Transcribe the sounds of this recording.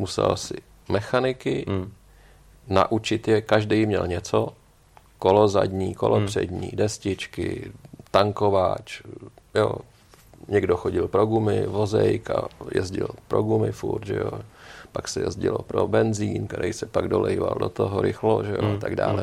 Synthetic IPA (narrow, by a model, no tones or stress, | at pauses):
musɛ̰lsɪ | mɛxanɪkɪ | na̰ʔut͡ʃɪt̪jɛkaʒdɛjmɲɛlɲɛt͡so | kolozadɲiːkolopr̝̥ɛ̰dɲiːdɛscɪt͡ʃkɪ̰t̪aŋkovat͡ʃjo̰ | ɲɛɡdoxoɟɪlpɾoɡumɪvozɛjkajɛ̰zɟɪlpɾoɡumɪfuɾt̪ʒɛjopaksɛjɛ̰zɟɪlopɾobɛnziːnkt̪ɛɾɛjsɛpaɡdolʔɛjvaldo̰t̪oɦoɾɪxloʒɛjoat̪aɡdaːlɛ